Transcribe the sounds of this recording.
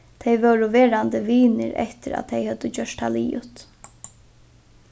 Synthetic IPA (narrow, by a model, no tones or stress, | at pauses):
t̪ʰejʋœwɾʊʋɛːɾant̪əʋiːnɪ̰ɾɛ̰ht̪ɪɾa̰t̪ʰejhɛt̪ːəd͡ʑœʂʈaliːjʊ̰t̪